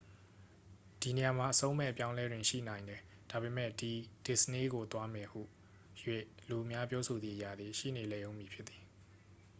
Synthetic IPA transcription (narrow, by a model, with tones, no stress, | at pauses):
d̥i˨ne˨ja˨ma˨ʔəsõ˦ʊ̃mɛ̰˦˨ʔəpjã˦ʊ̃lɛ˦dwɪ̃˨ʃḭ˦˨nã˨ɪ̃ndɛ˨ | d̥a˨βe˨mɛ˦˨di˨d̥ɪ˨səne˦ɡo˨t̪wa˦mɛ˨hṵ˦˨ | jwe˦˨lu˨ʔmja˦pjɔ˦sʰo˨d̪ðḭ˨ʔəja̰˨d̪ði˨ʃḭ˦˨ne˨lɛ˨jõ˦ʊ̃mji˨pʰjɪ˦t̪t̪ːi̥˨